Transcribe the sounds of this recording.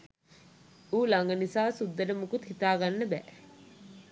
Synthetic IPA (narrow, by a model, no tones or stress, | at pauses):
uːlaŋɡənisaːsud̪ːəɾəmukut̪hit̪aːɡanːəbɛ̰ː